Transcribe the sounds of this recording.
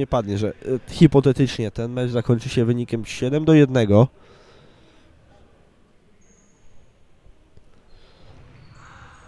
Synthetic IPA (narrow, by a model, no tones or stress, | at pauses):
ɛpad̪ɲɛʐɛxʲipɔt̪ɛt̪ɘt͡ʂɲɛt̪ɛnmɛʐzakɔɲt͡ʂɘɕɛvɘɲikʲɛmɕɛd̪ɛmd̪ɔjɛd̪nɛɡɔ